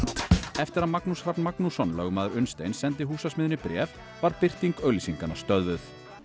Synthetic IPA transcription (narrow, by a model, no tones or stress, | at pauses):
ɛft̪ɪɾaðmaknusrapnmaknusɔnlœːɣʏmaːðʏɾʏnst̪ḛjnsɛnt̪̬ɪɦuːsasmɪðʏnipɾɛ̰ːf | vaɾpɪr̥t̪iŋkœɥlisiŋkanːast̪œðvʏθ